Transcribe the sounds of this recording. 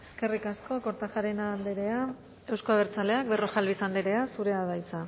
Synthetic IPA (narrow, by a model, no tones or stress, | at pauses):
e̞ske̞rikasko̞ko̞ɾt̪axaɾenand̪eɾe̞a | e̞wskoaβ̞eɾt͡sale̞ak̚bero̞xalβisand̪eɾe̞asuɾe̞aβajt͡sa